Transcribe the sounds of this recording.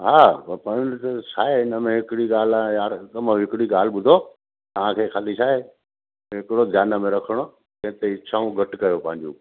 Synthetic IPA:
ɦaːpɐ̃nt̪ɐsʰaːeɪnəmẽɦɪkɪɽiɡaːl̤ãjaːɾkɐməɦɪkɪɽiɠaːl̤ɪ̆ɓʊd̪ʱo | t̪ɐʋ̤ãkʰeːxalit͡ɕʰaːɦeː | ɦɪkɪɽod̪ʱjaːnə̆mẽɾɐkʰəɽ̃o | kɐ̃ɦɪ̃t̪eɪt͡ɕʰaːũɡʱɐʈkɐjopɐ̃ɦɪ̃ɲd͡ʑṵ̃ː

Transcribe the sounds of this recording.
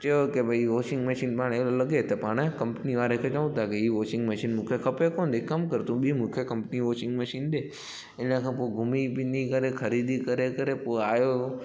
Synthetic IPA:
t͡ʃəjokebɐiʋoːʃɪ̃ŋɡməʃiːnpaːɽ̃eolɐɡet̪ɐpaːɽ̃kɐ̃mpniʋaːɾɦekʰet͡ʃɐʋũt̪ʰakeiːʋoːʃɪ̃ŋɡməʃiːnmũːkʰekʰɐpekoːnd̪ʱikɐmkɐɾt̪ũɓimũːkʰekɐ̃mpniʋoːt͡ʃɪ̃ŋɡməʃiːnɗe | ɪnə̃kʰãːpoːɡʱʊmipɪ̃nd̪ikɐɾexʰɐɾiːd̪ikɐɾekɐɾepoːaːjo

